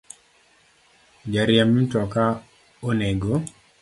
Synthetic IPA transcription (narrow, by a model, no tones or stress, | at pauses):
d͡ʒaɾjamitɔka | oneɡo